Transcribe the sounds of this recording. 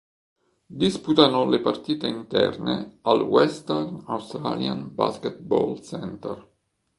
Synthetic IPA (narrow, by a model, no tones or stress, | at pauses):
d̪isput̪anolepart̪iːt̪eint̪ɛ̰rnḛalwɛst̪ɛrnawst̪ɾa̰ljanba̰sket̪̚bɔlsɛnt̪ɛr